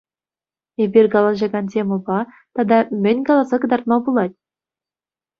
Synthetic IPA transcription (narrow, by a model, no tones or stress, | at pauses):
ebʲirʲɡɑlˠɑʑɑɡɑntʲemɤ̆bɑ | t̪ɑd̪ɑmʲɘ̆nʲɡɑlˠɑzɑkɤ̆d̪ɑrt̪mɑbulˠɑt̪̚ʲ